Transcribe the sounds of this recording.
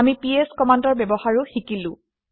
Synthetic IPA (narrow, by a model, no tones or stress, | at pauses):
amipieskɔmandɔɹbɛbɔhaɹʊxikilʊ̃